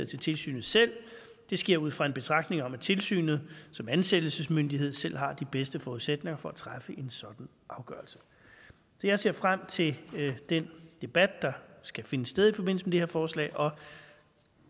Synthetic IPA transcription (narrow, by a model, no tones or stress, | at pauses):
t͡sʰe̝lt͡sʰe̝lsy̰ːnð̩ˠsel̰ | d̥e̝sɡ̥e̝ɐ̰uð̞̰ˠfʁɑ̈e̝nb̥e̝t͡sʰʁɑ̈ɡ̥d̥ne̝ŋɒ̽mæt͡sʰe̝lsy̰ːnð̞̩ˠsɒ̽mænsed̥l̩səsmønd̥iɦe̝ð̞̰ˠsel̰ɦɑ̈d̥ib̥esd̥əfɒːuðˠsed̥ne̝ŋɐfɒ̽æt͡sʰʁafəʔe̝nsɒ̽d̥n̩ | ʔɑ̈ʊɡ̥ɶɐlsə̥ | sɒ̽jäɪse̝ɐ̰fʁam̰t͡sʰe̝ld̥end̥e̝b̥æd̥̚d̥ɑ̈sɡ̥æfe̝nəsːd̥eð̞ˠifɒ̽b̥e̝n̰l̩səmed̥eheɐ̰fɒːslɛ̰ːɪʔɒ̽